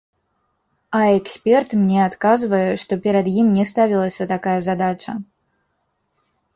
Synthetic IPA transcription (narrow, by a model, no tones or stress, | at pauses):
ɐɛksʲpʲɛrt̪mnʲɛat̪kazvɐjɛʂt̪ɔpʲɛɾɐd̪jimnʲɛst̪avʲilˠɐsʲɐt̪akajɐzad̪at͡ʂɐ